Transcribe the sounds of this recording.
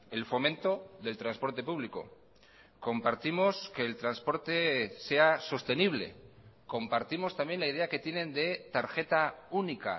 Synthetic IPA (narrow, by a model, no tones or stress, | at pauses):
e̞lfo̞mẽ̞nt̪o̞ðe̞lt̪ɾanspo̞ɾt̪e̞puβ̞liko̞̰ | ko̞mpaɾt̪imo̞ske̞ːlt̪ɾanspo̞ɾt̪e̞se̞aso̞st̪e̞niβ̞le̞̰ko̞mpaɾt̪imo̞st̪ambje̞nlaijð̞e̞ake̞t̪je̞nẽ̞nd̪e̞t̪aɾxe̞t̪aunika̰